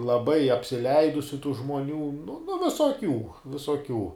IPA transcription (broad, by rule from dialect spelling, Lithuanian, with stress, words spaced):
lˠɐˈbɐɪ ɐpʲsʲɪˈlʲɛɪdʊsʲʊ tuː ʒmoːˈnʲuː nʊ ʋʲɪsoːˈkʲuː ʋʲɪsoːˈkʲuː